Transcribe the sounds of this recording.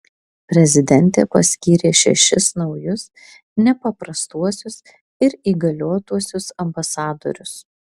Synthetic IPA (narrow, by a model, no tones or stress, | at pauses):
pʲɾʲɛzʲɪd̪ʲɛnʲt̪ʲeːpɐsʲkʲiːɾʲeːʃʲɛ̰ʃʲɪsnɒʊjʊs | nʲɛpɐpɾɐst̪uɔsʲʊs | ɪɾiːɡɐlʲoːt̪uɔsʲʊsɐmbɐsɑːd̪o̰ɾʲʊs